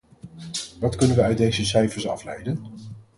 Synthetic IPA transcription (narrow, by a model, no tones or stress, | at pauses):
ʋɑtkɵnənʋəœɥt̚dejzəsɛjfəɹsɑ̰flɛ̰jdən